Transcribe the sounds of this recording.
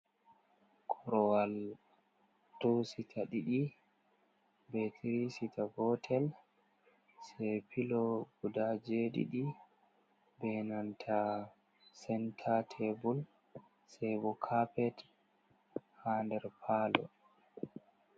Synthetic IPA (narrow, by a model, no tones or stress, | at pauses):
kʰɔɾɔwal | tositʰaɗiɗi | bɛtʰiɾisitʰabɔtʰɛl | sɛpilɔɡudad͡ʒeɗḭɗi | bɛnantʰa | sɛntʰatʰɛbul | sɛbɔkʰapɛt | handɛɾpʰaːlɔ̰